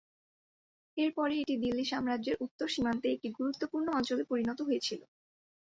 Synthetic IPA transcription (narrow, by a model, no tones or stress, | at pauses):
eɾpɔɾeeʈid̪ilːiʃamɾaʑeɾʔut̪ːoɾʃimant̪eek̚ʈiɡuɾut̪ːopuɾnoɔnt͡ɕolepoɾinɔt̪oɦojet͡ɕʰilo